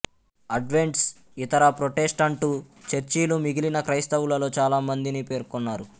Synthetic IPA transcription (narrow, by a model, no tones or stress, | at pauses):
ɐɖʋe̞ɳʈs | it̪ɐɾɐpɾoʈe̞sʈɐɳʈuːt͡ʃeɾt͡ʃiːlumiɡilinɐkɾɐjst̪ɐwulɐlo̞ːt͡ʃaːlaːmɐnd̪inipe̞ːɾkonːaːɾu